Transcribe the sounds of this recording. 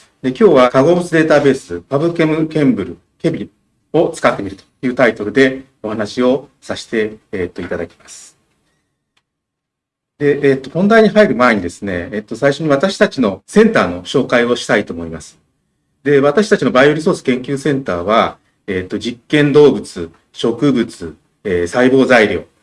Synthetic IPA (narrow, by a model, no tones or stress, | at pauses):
d̪e̞kʲo̞ːβakaɡo̞bɯt͡sɨd̪e̞ːt̪abe̞ːsɨpabɯ̟kemɯ̟kẽ̞mbɯ̟ɾɯ̟ | ke̞bʲi | o̞t͡sɨ̥kat̪ːe̞miɾɯ̟t̪o̥jɯ̟ːt̪ait̪o̞ɾɯ̟d̪e̞ | o̞hanaɕio̞saɕi̥t̪e̞ːt̪ːo̞it̪ad̪akʲi̥masɨ̥ | d̪e̞ʔt̪ːo̞hõ̞nd̪aiɲ̟iɦaiɾɯ̟mae̞ɲ̟id̪e̞sɨne̞ːt̪ːo̞saiɕo̞ɲ̟iβ̞at̪aɕi̥t̪at͡ɕino̞sẽ̞nt̪aːno̞ɕo̞ːkaio̞ɕi̥t̪ait̪o̞ːmo̞imasɨ̥ | d̪e̞βat̪aɕi̥t̪at͡ɕino̞baioɾʲiso̞ːsɨ̥kẽ̞ŋkʲɨːsẽ̞nt̪aːβ̞a | et̪ːo̞d͡ʑikːẽ̞nd̪o̞ːbɯ̟t͡sɨ | ɕo̞kɯ̟bɯ̟t͡sɨ | eːsaibo̞ːzaiɾʲjo̞̰ː